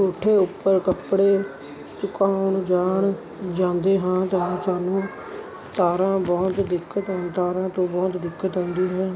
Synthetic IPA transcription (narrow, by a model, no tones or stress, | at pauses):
oːʈʰeːʊpːəɾkəpɽeː | st̪ʊkaːʊɳd͡ʒaːɳ | d͡ʒãːnd̪eːɦãːt̪əɦãːsaːnũː | t̪aːɾãːbɔːt̪d̪ɪkːət̪ɦt̪aːɾãːt̪õːbɔːt̪d̪ɪkːət̪ɦɔ̃ːnd̪iːɦɛ̃ː